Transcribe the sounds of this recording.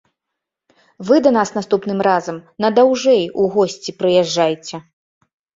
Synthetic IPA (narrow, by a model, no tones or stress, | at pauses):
vɨd̪ɐnasnast̪upnɨmrazɐmnɐd̪awʐɛjuɣɔsʲt͡sʲipɾɨjɛʐːajt͡sʲɛ